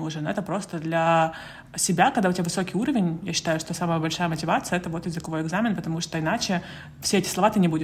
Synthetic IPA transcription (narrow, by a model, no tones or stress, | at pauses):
uʐnɛt̪əpɾo̞st̪əd̪lʲɐ | sʲɪbʲakɐɡd̪aʊtʲɪbʲavɨso̞kʲɪjuɾəvʲɪnʲjaɕːɪ̥t̪ajʊʂt̪o̞saməjəbɐlʲʂajəmətʲɪvat̪sɨjəɛt̪əvo̞t̪jɪzɨkɐvo̞jɪɡzamʲɪnpət̪ɐmuʂt̪oɪnat͡ɕɪ | fsʲeɛtʲɪslˠɐvat̪ɨnʲɪbudʲɪ